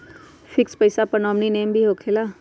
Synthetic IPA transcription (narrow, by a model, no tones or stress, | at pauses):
fʰɪkspəisaːpənɔːmniːneːmbʱiːɦoːkʰeːlaː